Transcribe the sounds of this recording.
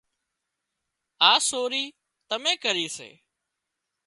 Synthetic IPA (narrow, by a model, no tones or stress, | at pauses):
aːsoːɾiː | t̪əmẽːkəɾiːsḛː